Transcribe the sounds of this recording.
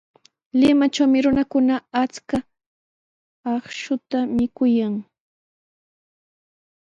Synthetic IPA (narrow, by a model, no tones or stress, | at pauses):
lɪmat͡ʃawmɪɾʊnakʊnaat͡ska | ɑχʃʊt̪amɪkʊjaŋ